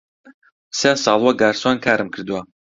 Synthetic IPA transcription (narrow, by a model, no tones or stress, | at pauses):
saːsɑːlˠwaɡaːɾswankʰaːɾɨmkʰɨɾd̪wa